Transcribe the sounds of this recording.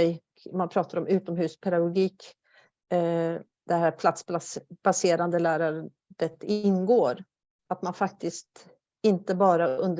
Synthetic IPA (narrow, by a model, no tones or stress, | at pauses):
ɛj | manpʰɾɑːt̪aɾɔmʉ̟ːt̪ɔmhʉ̟ːspʰɛd̪aɡʊɡiːk | d̪̥ɛɦæːɾpʰlat̪sb̪asb̥aseːɾand̪əlæːɾaɾ | ət̪ɪnːɡoːɾ | at̪manfak̚t̪ɪst̪ | ɪnt̪əbɑːɾaɵnd̪